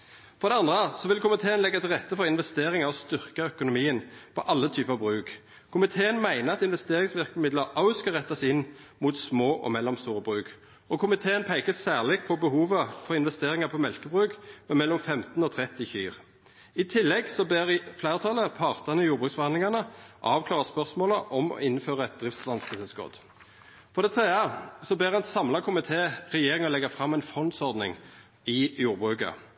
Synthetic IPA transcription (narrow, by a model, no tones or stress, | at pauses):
fɔʁd̪ɛɑnd̪ʁəəsɔʋɪlkʊmɪt̪ʰeːənlɛɡːɑt̪ɪlʁɛt̪ːəfɔʁɪnʋɛst̪eːʁɪŋəɾɔst̪ʏʁkɑœkʊnʊmiːənpʰɔʔɑlːət̪ʰyːpəɑʋbʁʉːk | kʰʊmɪt̪ʰeːənmæɪnəɑt̪ɪnʋɛst̪eːɾɪŋsʋɪʁkmɪd̪ləʁʔɑʉskɑʁɛt̪ːɑsɪnmut̪smoːʔɔ̰mɛlːɔmst̪uːʁəbʁʉːk | ɔkʰʊmɪt̪ʰeːənpʰæɪkəsːæːʁlɪɡpʰɔbəhuːʋəfɔʁɪnʋɛst̪eːʁɪŋɑpʰɔmɛlkəbʁʉːkmɛmɛlːɔmfɛmt̪nɔt̪ʰʁɛt̪ːɪçyːʁ | ɪt̪ʰɪlːɛɡsɔbeːʁflæɪʁət̪ʰɑləpʰɑʁt̪ənəɪjuːʁbʁʉːsfɔʁɑnlɪŋɑnəʔɑːʋkʰlɑːʁəspœʁsmoːləʔɔmɔ̰ɪnføːʁəɛt̪̚d̪̥ʁɪft̪slɑnskəsɛskɔ̰d̪ | fɔʁd̪ɛt̪ʰʁeːəsɔbeːʁɛnsɑmlɑkʰʊmɪt̪ʰeːʁɛjeːʁɪŋɔlɛɡəfʁɑmːɛɪnfʁɔnt̪sɔʁd̪nɪ̰ŋ | ɪjuːʁbʁʉːkə̰